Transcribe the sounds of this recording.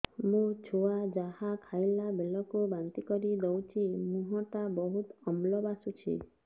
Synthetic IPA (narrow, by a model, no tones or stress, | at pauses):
mũt͡ʃʰuad͡ʒahakʰajlabʱelɔkubant̪ikɔɾid̪owt͡ʃʰimũɦɔ̃ʈabɔɦut̪ɔmlɔbasut͡ʃʰḭ